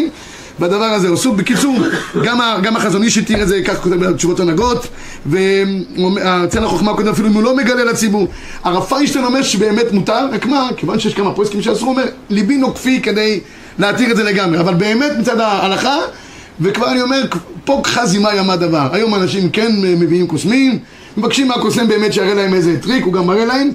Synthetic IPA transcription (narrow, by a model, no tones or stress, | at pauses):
m | vad̪avaʁazeosubekit͡suʁɡamaɡamaχazoniʃet̪iʁetzekaχko̞t̪evet͡ʃuvo̞tanaɡo̞t | veomat͡selaχoχmako̞d̪emafiluimulo̞me̞ɡalelat͡sibuʁ | aʁafaiʃt̪onome̞ʁʃebeːme̞tmutaʁakmakevanʃejeʃkamaposkimʃeasʁuome̞ʁlibinokfike̞d̪e̞j | leatiʁetdze̞leɡamʁeavalbe̞ːme̞tmit͡sad̪aːlaχa | vekvaʁanio̞me̞ʁkpo̞kχazimajamad̪avaʁajo̞maːnaʃimke̞nmeviimkosmim | mevakʃimːakosmimbe̞ːmetʃeaʁelaemezetʁikuɡamaʁelaem